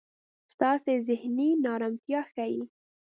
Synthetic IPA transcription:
st̪ɑsezɪhninɑɾamt̪jɑxaji

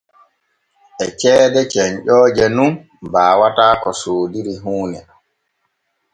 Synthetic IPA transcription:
ʔɛt͡ʃɛːdɛt͡ʃɛɲʄɔːd͡ʒɛnun | baːwataːkɔsoːdiɾiɦuːnɛ

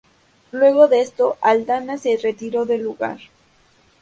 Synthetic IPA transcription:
lwe̞ɣo̞ðeest̪oʔald̪anase̞ret̪iɾo̞ðe̞lːuɣa̰ɾ

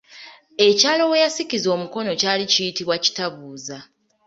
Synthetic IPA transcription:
e̞caːlo̞we̞jasikizo̞ːmuko̞no̞caːlicijitiβwaci̥taβuːza

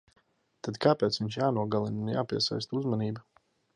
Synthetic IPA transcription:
t̪ad̪kʰaːpɛːt̪sviɲʃjaːnuɔɡalˠinunja̰ːpiɛsa̰jst̪uzmaniːba

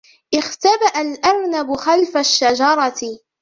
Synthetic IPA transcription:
ʔɪxt̪abaʔalʔaɾnabʊxalfaʃːad͡ʒɑɾˤɑt̪

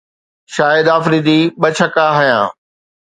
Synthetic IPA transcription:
ʃaːɪd̪aːfɾid̪iɓɐt͡ɕʰɐkaɦʊjã̰ː

